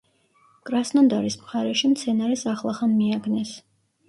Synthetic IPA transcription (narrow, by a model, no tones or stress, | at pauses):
kʼɾasnɔnd̪aɾismχaɾɛʃimt̪sʰɛnaɾɛsaχlˠaχamːiaɡnɛs